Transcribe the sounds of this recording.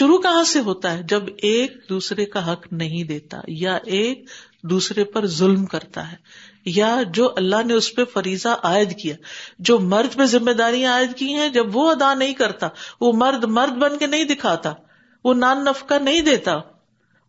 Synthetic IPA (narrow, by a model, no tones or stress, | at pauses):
ʃʊɾukɐɦãseɦoːt̪aɦɛd͡ʒɐbeːk̚d̪uːsɾekaɦɐknɐɦĩd̪eːt̪a̰jaʔeːk̚ | d̪uːsɾepɐɾzʊlmkɐɾt̪a̰ɦɛː | jad͡ʒoːʔɐlːaɦneʊspefɐɾiːzaʔaːɪd̪kijaːd͡ʒoːmɐɾd̪pezɪmːeːd̪aːɾijãaːɪd̪kĩɦɛ̃d͡ʒɐbʋoɐd̪anɐɦĩkɐɾt̪aːʋomɐɾd̪mɐɾd̪̚bɐ̃nkenɐɦĩd̪ɪkʰaːt̪aː | ʋonaːnːɐfkanɐɦĩd̪eːt̪aː